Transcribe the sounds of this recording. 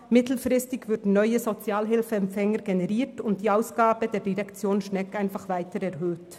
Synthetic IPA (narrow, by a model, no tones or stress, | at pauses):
mɪtl̩fʁɪstɪɡvʏɾdn̩nœʏəzot͡sjaːlɦɪlfəɛmfɛŋəɾɡenɛʁiːtʊnt̚d̥iːaʊsɡ̥aːbədeːɾdiʁɛkt͡sjoːnʃnɛkaɪnfaχvaɪtəɾɛʁɦøːt